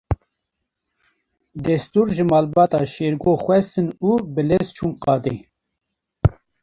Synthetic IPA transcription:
d̪ɛst̪uːɾʒɨmɑːlbɑːt̪ɑ̰ːʃeːɾɡoːxwɛst̪ɨnuːbɨlest͡ʃʰuːnqɑːd̪e

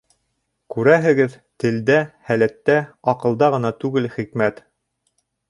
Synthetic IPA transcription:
kʉɾæɦɘ̆ɡɘð | t̪ɘ̆ld̪æhælæt̪ːæɑqɤ̆lˠd̪ɑʁɤ̆nɑt̪ʉɡɘlχikmæt̪

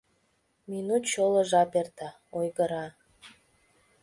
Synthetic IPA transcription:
minut̪t͡ɕoləʒɑpert̪ɑ | ojɣəɾɑ

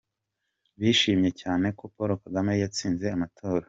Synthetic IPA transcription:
βiʃiːmɲe̞caːne̞ko̞poɾokaɡamejat͡siːnze̞amatʰo̞ːɾa

